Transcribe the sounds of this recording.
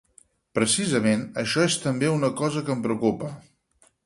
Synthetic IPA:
pɾəsizəmenəʃɔest̪əmbeunəkɔzəkəmpɾəukupə

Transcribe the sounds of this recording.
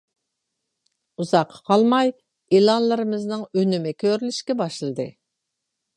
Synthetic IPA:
uzɑqʰːɑ̥qʰɑlˠmɑj | elˠɑnlˠɨɾɨmɨznɨŋønymɪkʲʰøɾylyʃkʲɛbɑʃlˠɨd̪ɨ

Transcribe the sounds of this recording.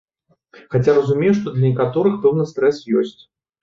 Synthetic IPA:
xat͡sʲarɐzumʲejuʂt̪ɔd̪lʲɐnʲɛkat̪ɔɾɨxpɛwnɨst̪ɾɛsjɔsʲt͡sʲ

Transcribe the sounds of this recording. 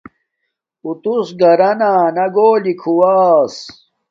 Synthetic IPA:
ut̪usɡɐɾɐnaːnɐɡoːlikʰuwaːs

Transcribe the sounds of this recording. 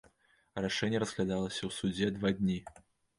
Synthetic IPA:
raʂɛnʲːjɛɾəzɣlʲad̪alˠɐsʲɐwsud͡zʲɛd̪vad̪ʲnʲi

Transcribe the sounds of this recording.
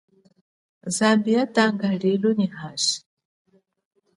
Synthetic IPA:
zambiatʼaŋɡaɺiluniɦasi̥

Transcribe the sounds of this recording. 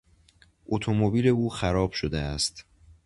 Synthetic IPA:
ʔot̪ʰo̞mobiːle̞uːxæɾɒːb̥ʃod̪eæst̪

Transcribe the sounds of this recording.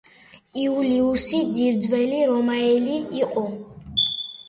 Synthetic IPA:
iuliusid̪iɾd̪zwɛliɾɔmaɛliːqʼu

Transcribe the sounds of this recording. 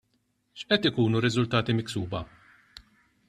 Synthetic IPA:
ʃʔɛt̪ɪkuːnuɾɪzʊlt̪ɐːt̪imɪksuːbɐ

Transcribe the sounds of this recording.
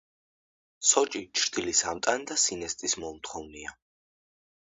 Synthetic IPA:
sɔt͡ʃʼit͡ʃʰɾd̪̥ilisamt̪ʼand̪asinɛst̪ʼismɔmt̪ʰχɔvnia

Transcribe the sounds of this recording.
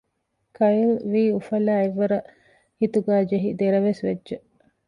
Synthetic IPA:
kɐjilʋiːufɐlæːeʋːɐɾɐ | hit̪uɡæːd͡ʒeɦid̪eɾɐʋesʋed͡ʒːʒe

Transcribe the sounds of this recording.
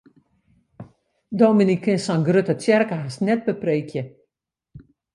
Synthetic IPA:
doːminikɪnsanɡrøtətjɛrkəɦasnɛt̚bəpreːkʰjə

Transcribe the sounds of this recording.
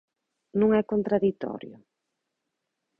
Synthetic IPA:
nũŋɛkont̪ɾaðit̪ɔ̰ɾjʊ̰

